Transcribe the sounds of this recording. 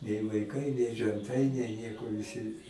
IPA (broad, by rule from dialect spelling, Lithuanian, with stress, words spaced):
nʲɛɪ ʋɐɪˈkɐɪ nʲɛɪ ʒʲɛnˈtɐɪ nʲɛɪ ˈnʲiɛkoː ʋʲɪˈsʲɪ